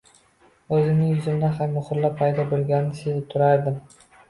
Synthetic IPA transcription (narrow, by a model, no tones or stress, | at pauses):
ɵzɪmnɪŋjʊzɪmd̪aɦamːʊχʊɾlappʰajd̪ɒbɪlˠɡʲanɪnɪsezɪp̚t̪ʰʊɾaɾd̪ɪm